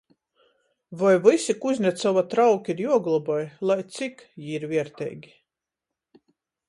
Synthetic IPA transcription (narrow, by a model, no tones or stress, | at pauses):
vajvɨsikuzʲnʲɛt̪sɔvat̪ɾawkʲiɾjuɔɡlˠɔbɔjlˠajt̪sikjiːiɾvʲiɛɾt̪ɛ̰jɡʲi